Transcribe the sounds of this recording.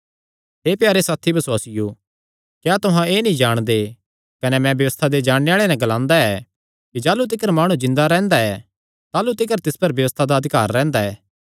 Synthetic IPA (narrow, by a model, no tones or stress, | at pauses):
ɦeːpjaːɾesaːt̪ʰibʱɐswaːsɪjo | kjaːt̪ʊɦãeːnĩd͡ʒaːɽ̃d̪e | kɐnɛmɛ̃bjɐʋəst̪ʰad̪ed͡ʒaːɽ̃eaːɭenɛ̃ɡɐlãːnd̪aɛ | kid͡ʒaːlut̪̬ɪkəɾmaːɽ̃ũd͡ʒɪ̃nd̪aɾɛ̃ːnd̪aɛ | t̪aːlut̪ɪkəɾt̪ɪspɐɾbjɐʋəst̪ʰad̪aɐd̪ʱɪkaːɾːɛ̃ːnd̪aɛː